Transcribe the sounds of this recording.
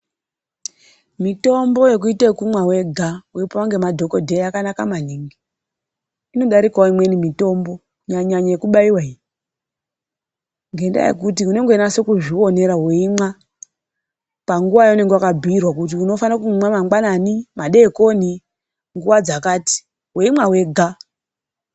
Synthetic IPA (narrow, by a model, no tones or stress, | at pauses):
mito̞mbo̞je̞k̬uitekumwawe̞ɡʱauipoaŋɡe̞madʱo̞ko̞dʱeakanakamaniːŋɡi | ino̞ɗaɾikaimwe̞nimito̞mbo̞ | ɲaɲaɲajekuɓaiwai | ŋɡe̞nda̰jḛkutiune̞ŋɡenase̞kuʐio̞ne̞ɾaweimwa | paŋɡuʋajaune̞ŋɡewakabʱiirwakut̬iuno̞fanakumwamaŋɡananimaɗe̞ko̞ni | ŋɡuwad͡zakaːti̥ | weimawe̞ɡʱa